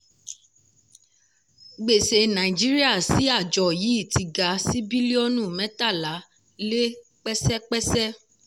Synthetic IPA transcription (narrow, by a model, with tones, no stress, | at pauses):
ɡ͡be˨se˧nã˨i˨d͡ʒi˦ɾi˦a˦˨si˨˦a˦˨d͡ʒɔ˨ji˨˦i˦˨ti˨˧ɡa˧si˦bi˦li˦ɔ˦nũ˦˨mɛ̃˨˦ta˦˨la˨˦ | le˦ | k͡pɛ˦sɛ˦k͡pɛ˦sɛ˦